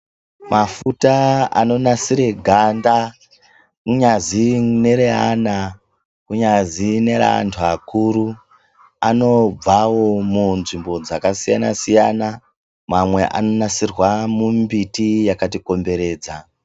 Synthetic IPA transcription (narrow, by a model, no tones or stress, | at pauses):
mʔafutaa̰no̞nasiɾe̞ɡʱanda | kuɲazine̞ɾeɦana | kuɲazine̞ɾa̰ntʰuakuɾu | ano̞b͡vawo̞munʐimbo̞d͡zakasijana̰sijana | mamwe̞ʔa̰no̞nasirwamumbitijakatiko̞mbe̞ɾe̞ːd͡za